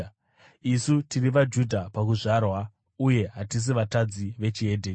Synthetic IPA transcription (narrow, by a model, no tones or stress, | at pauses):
isutiriʋad͡ʒudʱapakuʐarwa | uje̞ɦatis̬iʋatad͡ziʋe̞t͡ʃie̞dʱeː